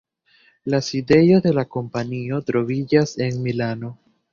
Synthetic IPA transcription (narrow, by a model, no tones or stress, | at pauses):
laside̞jo̞de̞lako̞mpanio̞t̪ɾo̞vid͡ʒase̞nmilano̞